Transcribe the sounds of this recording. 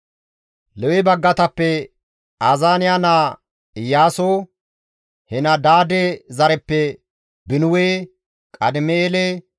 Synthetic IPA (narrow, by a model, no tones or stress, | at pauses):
lɛwɛbɐɡːɐt̪ɐpːɛ | aːzaːnɪjaːnaː | ɪjaːsoː | hɛnɐd̪aːd̪ezɐɾɛpːɛ | bɪnʊweː | kʼɐd̪ɪmɛeːleː